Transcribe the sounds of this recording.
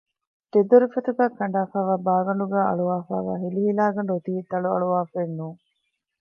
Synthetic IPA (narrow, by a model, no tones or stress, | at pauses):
t̪ed̪uɾifɐt̪uɡæːkɐɳ̆ɖaːfaːʋaːbaːɡɐɳɖuɡæːɐ̰ɭuʋaːfa̰ːʋæ̰ːɦiliɦilaːɡɐɳɖuot̪iːt̪ɐɭuɐ̰ɭuʋaːfenːuːŋ